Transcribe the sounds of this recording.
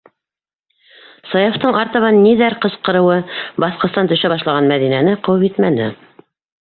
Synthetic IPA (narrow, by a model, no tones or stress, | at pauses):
sɑjoft̪ɤɴɑɾt̪ɤ̆βɑnːiðæɾqɤ̆sqɤ̆ɾɤ̆wɤbɑθqŏst̪ɑnt̪ɵ̆ʃæβɑʃlˠɑʁɑnmæðinænɘqɤ̆wɤpit̪mænɘ̰